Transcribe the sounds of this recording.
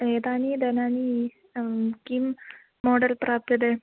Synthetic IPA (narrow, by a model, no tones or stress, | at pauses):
ɦet̪anid̪ɛnani | kimː | ɔɖəlpɾap̚t̪əd̪ɛ